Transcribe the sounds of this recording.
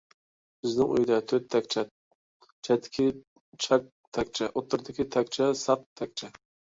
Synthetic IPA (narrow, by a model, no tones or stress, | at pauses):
bɪznɪŋṵjd̪ɛt̪ʰøt̪ʰːɛk̚ʲt͡ʃʰɛ | t͡ʃʰɛt̪ʰːɪ̥kʲʰi | t͡ʃʰɑk̚ | t̪ʰɛk̚ʲt͡ʃʰɛʔot̪ːɨɾd̪ɪkʲit̪ʰɛk̚ʲt͡ʃʰɛsɑq̚t̪ʰːɛk̚ʲt͡ʃʰɛ